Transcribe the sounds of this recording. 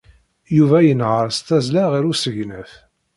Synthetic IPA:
juvæjənʕɾˤəst̪æzlæʁiɾusəʝnəθ

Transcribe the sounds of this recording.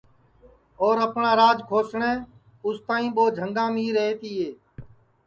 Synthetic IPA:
oːɾəpnãːɾaːd͡ʒkʰoːsɳẽː | ʊst̪ãːĩːɓoːd͡ʒʱəŋɡãːmĩːɾeɦeːt̪iːɦeː

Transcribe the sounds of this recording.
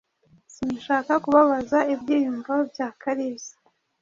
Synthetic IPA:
sinaʃaːkakuβaβazaibɟiːjumɡobjaːkaɾeːzḁ

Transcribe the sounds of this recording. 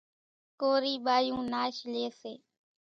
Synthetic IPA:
koːɾiːɓaːjũːnaːʃleːseː

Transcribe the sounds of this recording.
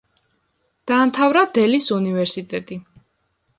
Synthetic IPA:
d̪̥aːmt̪ʰavɾad̪ɛlisunivɛɾsit̪ʼɛt̪ʼi

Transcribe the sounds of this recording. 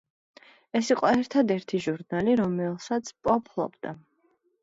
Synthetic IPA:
ɛsiqʼɔɛɾt̪ʰad̪ɛɾt̪ʰiʒuɾnaliɾɔmɛlˠsat̪sʰpʼɔpʰlˠɔ̰bd̪̥a

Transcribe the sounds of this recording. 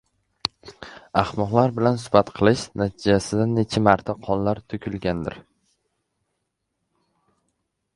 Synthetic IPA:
ahmɒʁlˠaɾbɪlansʊ̥fat̪qʰɨlˠɪʃnat̪ʰɪd͡ʒasɪd̪anet͡ʃʰamaɾt̪ʰaqʰɒnlaɾt̪ʰʊkʲʰɪlɡʲand̪ɪ̰ɾ

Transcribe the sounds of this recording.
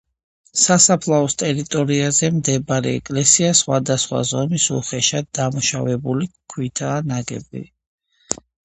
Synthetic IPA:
sasapʰlˠaɔst̪ʼɛɾit̪ʼɔɾiazɛmd̪ɛbaɾɛ̰ɛ̰kʼlɛsiasχwad̪asχwa̰zɔmisṵχɛʃad̪d̪amuʃa̰vɛbulikʰwit̪ʰaːnaɡɛ̰bḭ

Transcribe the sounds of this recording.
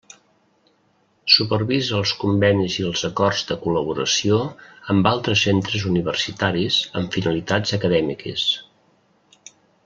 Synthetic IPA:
supərβizəəlˠskumbɛniziəlˠzəkɔrzðəkuləβuɾəsioəmbalˠt̪ɾəsːent̪ɾəzuniβ̞ərsit̪aɾizə̰ɱfinəlit̪ad͡zəkəðɛmikə̰s

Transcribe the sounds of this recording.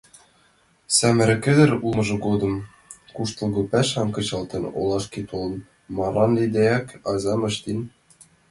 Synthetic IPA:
sæmɘ̆ɾɘ̆kɘ̆d̪ɘ̆ɾumɤ̆ʒɤ̆ɡod̪ɤ̆m | kuʃt̪ɤ̆lˠɡopæʃɑnkɤ̆t͡ɕɑlˠt̪ɤ̆no̰lˠɑʃkit̪olˠɤ̆n | mɑɾɑnlʲid̪æjækɑzɑmɤ̆ʃt̪in

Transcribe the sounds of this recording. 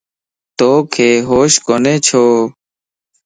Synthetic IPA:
t̪oːkʰeːɦoːʃkoːneːt͡ʃʰoː

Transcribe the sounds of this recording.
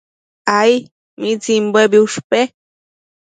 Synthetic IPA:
aj | mit͡simbebiuʂpe

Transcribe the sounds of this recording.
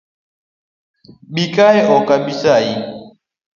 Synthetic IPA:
ɓikaeʔɔkabisaji

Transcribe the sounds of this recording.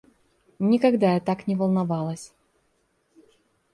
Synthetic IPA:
nʲɪkɐɡd̪ajat̪aknʲɪvɐlˠnɐvɑlˠəsʲ

